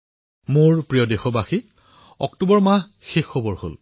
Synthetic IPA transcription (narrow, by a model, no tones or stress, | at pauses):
moɹpɹijɔdexɔbaxi | ɔ̰ktobɔɹmaɦ | xexːɔbɔɹho̰l